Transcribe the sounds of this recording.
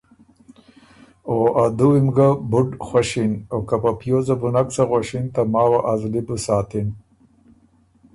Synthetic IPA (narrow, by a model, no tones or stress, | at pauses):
oad̪uimɡabʊɖxwaʃinokapapjozabunaksaɣwaʃint̪amɑːwaʔazlibusaːt̪in